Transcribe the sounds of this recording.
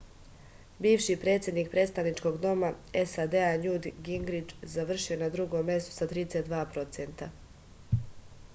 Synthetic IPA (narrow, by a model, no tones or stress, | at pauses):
biːʋʃipɾe̞ːt̪sʲje̞d̪nik̚pɾe̞t̪st̪aʋnit͡ʃko̞ɡd̪o̞maesad̪eaɲud̪ɡiŋɡɾid͡ʒzaʋr̩ʃio̞nad̪ɾuɡo̞mːje̞st̪u̥sat̪ɾiːd̪eset̪d̪ʋaːpɾo̞t̪sent̪a